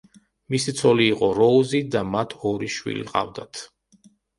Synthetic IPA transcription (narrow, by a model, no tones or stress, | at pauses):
misit̪sʰɔliːqʼɔɾɔuzid̪amat̪ʰɔɾiʃwḭlḭqʼa̰vd̪at̪ʰ